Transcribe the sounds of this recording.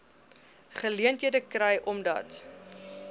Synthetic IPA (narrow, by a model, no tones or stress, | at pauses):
χəliəntɦiədəkrɛjʔɔmdɐ̰t